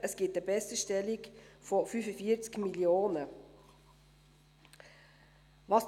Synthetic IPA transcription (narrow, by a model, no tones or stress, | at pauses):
ʔəsɡ̥ɪtəbɛsəʃtɛlikfɔfyfəfiəɾt͡skmiljoːnə | vɑs